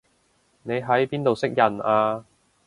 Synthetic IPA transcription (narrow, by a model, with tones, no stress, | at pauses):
ne˨˧jɦɐ˨˥jpiː˥nt̪o˨wsɪ˥k̚jɐ˨˩naː˧